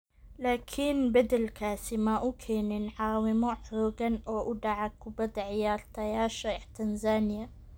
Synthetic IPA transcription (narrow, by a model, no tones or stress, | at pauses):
laːkʰɪnbɪd̪ɪlkʰaːsɪmaʔukʰeːninʕaːwɪmuħɾuːɡanʔoʔud̪aʕakwbad̪ʕɪjɑːɾˤt̪ajaːʃaɪħt̪anzaːnɪja